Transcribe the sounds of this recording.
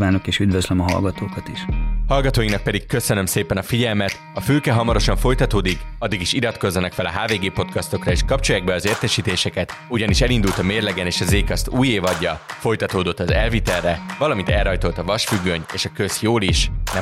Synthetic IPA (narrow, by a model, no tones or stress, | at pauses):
vaːnokeːʃyd̪vøzlømɒɦɒ̰lɡɒt̪oːkɒt̪iʃhɒlɡɒt̪oːjinɒk̚pɛd̪ikkːø̞sø̞nø̞mseːpɛnɒfiɟɛlmɛt̪ | ɒfyːkɛɦɒmɒɾo̞ʃɒɱfo̞jt̪ɒt̪oːd̪ikɒd̪ːiɡiʃiɾɒt̪ko̞zːɒnɒkfɛlɒɦaːveːɡeːpo̞t̪kɒst̪o̞krɒeːʃkɒpt͡ʃojaɡ̚bɛɒzeːrt̪ɛʃiːt̪eːʃɛkɛt̪uɟɒniʃɛlind̪ult̪ɒmeːrlɛɡɛneːʃɒzeːkɒst̪uːjeːvɒɟːɒfo̞jt̪ɒt̪oːd̪o̞t̪ːɒzɛlvit̪ɛrːɛvɒlɒmint̪ɛlrɒjt̪o̞lt̪ɒvɒʃfyɡːøɲeːʃɒkø̞sjoːliʃnɛ